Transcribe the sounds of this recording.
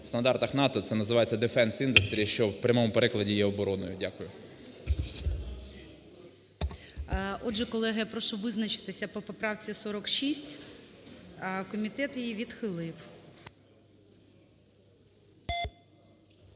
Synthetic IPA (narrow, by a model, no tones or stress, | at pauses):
st̪ɐnd̪ɑrt̪ɐxnɑt̪ɔt̪sɛnɐzɪʋɑjet͡sʲːɐd̪efɛnsind̪ʊst̪ɾʲiːiʃt͡ʃɔwpɾʲʔɐmɔmʊpeɾɪklˠɐdʲijɛɔbɔɾɔnɔjʊdʲakʊjʊ | ɔʒɛkɔlˠɛɦɐjapɾɔʃʊʋɪznɐt͡ʃɪ̥t̪ɪsʲɐpɔpɔpɾɑwt͡sʲisɔɾɔkʃisʲtʲ | kɔmʲit̪ɛt̪jijiʋʲid̪xɪlˠɪw